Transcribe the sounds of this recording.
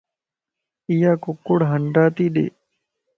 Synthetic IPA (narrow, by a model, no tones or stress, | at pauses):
ɪjaːkʊkːʊɽɦəɳɖaːt̪iːɗḛː